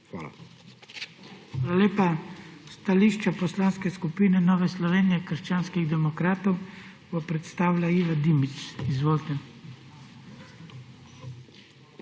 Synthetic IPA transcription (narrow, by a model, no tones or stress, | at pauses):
xʋa̰la̰ | xaːlaleːpast̪aliːʃt͡ʃapɔslaːnskɛskupiːnɛnɔːʋɛslɔʋeːnijɛkəɾʃt͡ʃaːnskiɣd̪ɛmɔkɾaːt̪ɔw | bɔpɾɛt̪st̪aːʋlaiːʋad̪imit̪sizʋoːlt̪ɛ